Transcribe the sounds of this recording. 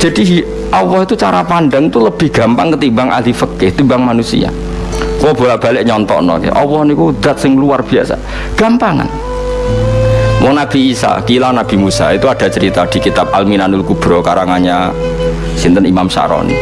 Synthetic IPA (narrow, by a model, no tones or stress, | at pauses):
ʒ̥a̤di | ʔɔwɔhit̪ut͡ʃaɾapanɖəŋt̪uləb̥ɪhɡ̥a̤mpaŋkət̪imbaŋʔa̰lifəkɪht̪imbaŋmanusḭa̰ | kwɔb̥olaʔb̥alɪʔɲɔnt̪ɔ̰ʔnɔ̰kḛʔɔwɔhnikud̪̥at̪̚sɪŋluarb̥iasa̰ | ɡ̥ampaŋa̰n | wɔnab̥i̤ːsa̰kilanab̥i̤musa̰it̪uad̥a̤t͡ʃəɾit̪ad̥i̤kit̪ap̚alminanulkub̥ɾɔkaɾaŋaɲa | sint̪ənimamsa̰ʔɾɔ̰nḭ